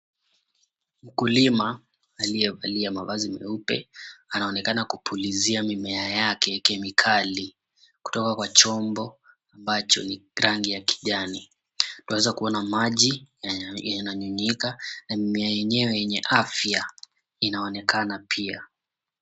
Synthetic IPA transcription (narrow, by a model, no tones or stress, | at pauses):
m̩kulimaː | lijɛvaliamavazimɛ̰upɛ̰anaɔnɛkanakupʰuliziamimɛajakɛkɛmikʰali | ku̥tɔkakwat͡ʃɔmbɔ | ambat͡ʃɔ̰niɾaŋɡijaki̥ʄani | tawɛzakuɔnamaʄi | janaɲuɲikanamimɛajɛɲɛwɛjɛɲɛʔafja | inaɔnɛkʰanapʰia